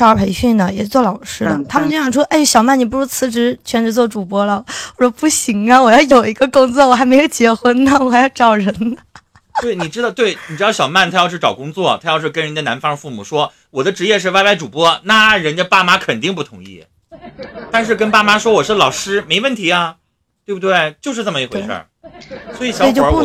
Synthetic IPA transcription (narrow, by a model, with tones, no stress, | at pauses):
ə˞˧˥˩pʰe˧˥ɪɕy˥˩nd̪ə˩jɛ̰˨˩˥t͡swɔ˥˩lɑ˨˩ʊʂɻ̩˥d̪ə̰˨˩t̪ʰa˥mə˨nt͡ɕo˥˩ɕjɑ˨˩ʂwɔ˥ʔe˥˩ɕjɑ˨˩ʊma˥˩ni˩pu˧˥˩ʂɔ˥t͡sʰɹ̩˧˥ʈ͡ʂɻ̩˧˥t͡ɕʰɥɛ˧˥nʈ͡ʂɻ̩˧˥t͡swɔ˥˩ʈ͡ʂu˨˩pwɔ˥lə˨˩ɔ˨˩ʂɔ˥pu˥˩ɕi˧˥ŋɐ˧wɔ˨˩jɑ˥˩ʊjo˨˩ʊi˧˥ɡə˧kʊ˥ŋt͡swɔ˥˩wɔ˨˩xa˧˥ɪme˧˥ɪjo˨˩t͡ɕjɛ˧˥xwə˥nnə˩wɔ˨˩xa˧˥ɪjɑ˥˩ʊʈ͡ʂɑ˨˩ʊɻə˧˥n | t̪we˥˩ɪni˨˩ʈ͡ʂɻ̩˥d̪ɑ˥˧ʊt̪we˥˩ɪni˨˩ʈ͡ʂɻ̩˧˥ɑ˥˧˩ɕjɑ˨˩ʊma˥˩nt̪ʰa˥jɕɻ̩˥˩ʈ͡ʂɑ˨˩ʊkʊ˥ŋt͡swɔ˥˩t̪ʰa˥jɑ˥˧ʊʂɻ̩˥˩k̬ə˥nɻə˧˥nd̪ə˧na˧˥nfɑ˥ŋ˧fu˥˩mu˨˩ʂwɔ˥ | wɔ˨˩d̪ə˦ʈ͡ʂɻ̩˧˥jɛ˥˧ʂ̬ɻ̩˥˧wa˥˧ɪpa˥˩ɪʈ͡ʂu˨˩pwɔ˥na˥˩ɻə˧˥nt͡ɕa˥˧pa˥˩ma˥kʰə˨˩nt̪i˥˧ŋp̬u˥˩t̪ʰʊ˧˥ŋḭ˥˩ | t̪a˥˧nʂ̬ɻ̩˥˩kə˥npa˥˩ma˥ʂwɔ˥wɔ˨˩ʂɻ̩˥˩lɑ˨˩ʊʂɻ̩˥me˧˥ɪwə˥˩nt̪ʰi˧˥ɐ˧ | t̪we˥˩bu˧˩we˥˩ɪt͡ɕjo˥˧ʊʂɻ̩˥˧t͡sa˥˩mə˧i˧˥xwḛ˧ɪʂə̰˞˥˩ | swɔ˧˥i˧˥ɕjɑ˧˥ʊ˨t͡ɕ